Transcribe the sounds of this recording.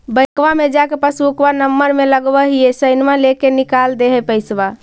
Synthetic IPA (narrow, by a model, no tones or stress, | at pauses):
bəjkʋamed͡ʒakepəsuukbanəmːəɾmeləɡbəɦiesəɪnmalekenikald̪eɦɛpəɪsba